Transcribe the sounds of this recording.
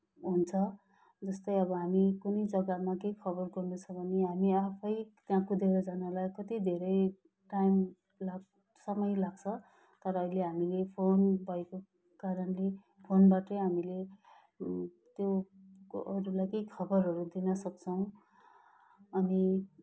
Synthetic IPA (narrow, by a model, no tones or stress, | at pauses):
ɦunt͡sʰʌ | d͡zʌst̪ʌjʌbʌɦamikunʌjd͡zʌɡamakeikʰʌbʌrɡʌrnut͡sʰʌbʱʌneɦamiapʰʌjt̪jãkud̪ʱeɾʌd͡zanalajkʌt̪id̪ʱeɾʌj | ʈajm | laɡ | sʌmʌjlaɡt͡sʰʌ | t̪ʌɾʌːileɦamilepʰonbʱʌeko | kaɾʌnle | pʰonbaʈʌjɦamile | t̪jo | ʌɾulajkeikʰʌbʌrɦʌɾud̪inʌsʌk̚t͡sʰʌw̃ | ʌni